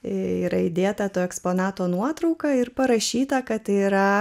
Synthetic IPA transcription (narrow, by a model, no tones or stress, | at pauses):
iːɾɐɪd̪ʲeːt̪ɐt̪oːɛkspoːnɑːt̪oːnuɔt̪ɾɐʊkɐɪɾpɐɾɐʃʲiːt̪ɐkɐt̪iːɾɐ